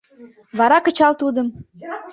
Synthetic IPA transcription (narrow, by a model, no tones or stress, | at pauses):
βɑɾɑkə̆t͡ɕɑlt̪ud̪əm